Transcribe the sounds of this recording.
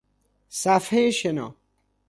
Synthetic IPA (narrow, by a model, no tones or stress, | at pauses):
safheɕenɔ̰